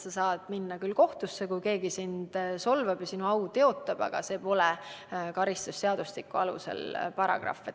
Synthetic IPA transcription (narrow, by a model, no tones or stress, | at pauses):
sɑsɑːd̪̥minːɑkylːko̞ht̪usːekujke̞ːɡisind̪̥so̞lvɑb̥jɑsinuɑwt̪e̞o̞t̪ˑːɑb̥ɑ̰ɡ̥ɑ̰se̞ːpo̞lekɑɾist̪ust̪eɑd̪̥ust̪ikːˑuɑlṵse̞̰lpɑɾɑ̰ɡ̥rɑ̰fe